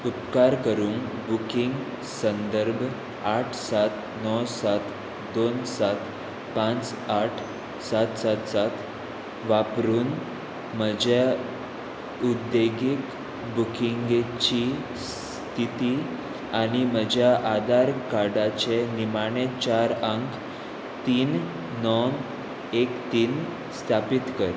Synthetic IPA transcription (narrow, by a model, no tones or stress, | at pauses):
up̪̚kaɾkəɾuːn | bukiŋɡ | sənd̪əɾbʱ | aʈʰsat̪ | nɔsat̪ | d̪onsat̪ | pãt͡s | aʈʰ | sat̪sat̪sat̪ʰ | ʋapɾuːn | məd͡ʑja | ud̪eɡik | bukʰiŋɡet͡ɕi | s | t̪ʰit̪i | aɽim̤əd͡ʑʱjaʔad̪aɾkaɽat͡ɕenimaɽ̃et͡ɕaɾəŋk | t̪iːnː | ɔn | ekt̪iːn | st̪ʰapit̪kəɾ